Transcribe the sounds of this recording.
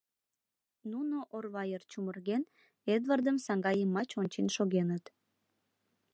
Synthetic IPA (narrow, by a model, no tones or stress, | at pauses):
nunoʔorβɑjərt͡ɕumərɣen | ed̪βɑrd̪əmsɑŋɡɑjəmːɑt͡ɕonʲt͡ɕinʃoɣenət̪